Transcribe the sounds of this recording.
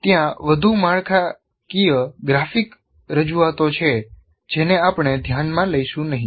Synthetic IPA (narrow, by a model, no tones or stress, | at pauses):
t̪jãʋəd̪ʱumaɭkʰa | kijəɡɾafik | ɾəd͡ʒuat̪ot͡ʃʰe | d͡ʒeneapɳ̃ed̪ʱjanmãləjʃũnəɦĩ